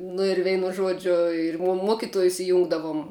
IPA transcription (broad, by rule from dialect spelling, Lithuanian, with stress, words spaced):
nʊ ɪr ˈʋʲɛɪnʊ ˈʒuɔd͡ʒʲʊ ɪr muɔ ˈmuɔkʲɪtuɔjʊs ɪˈjʊŋɡdɐʋʊm